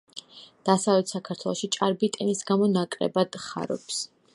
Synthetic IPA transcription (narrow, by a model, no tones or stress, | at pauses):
d̪̥asavlɛt̪ʰsakʰaɾt̪ʰwɛlˠɔʃit͡ʃʼaɾbit̪ʼɛnisɡamɔnakʼɾɛ̰bad̪̥χa̰ɾɔ̰ps